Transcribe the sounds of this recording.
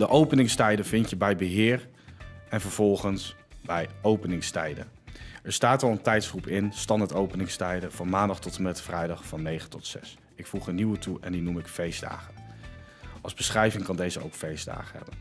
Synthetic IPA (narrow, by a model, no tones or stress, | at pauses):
dəʔowpənɪŋstɛjdəvɪntjəbɛjbəɦɪːr | ɛnvəɹv̥ɔlˠχəns | bɛjowpənɪŋstɛ̰jdə̰ɛɹstaːtɑlˠəntɛjtsχrupɪnstɑndətowpənɪŋstɛjdəv̥ɑnmaːndɑχtɔtəmɛtfrɛjdɑχfɑnːejχəntɔtsɛ̰s | ɪkfuχənːiwətʰuʔɛndinumɪkfejzda̰ːχən | ɑlˠzbəsχrɛjvɪŋkɑndejzəo̰wkfejzda̰ːχənɦɛ̰bən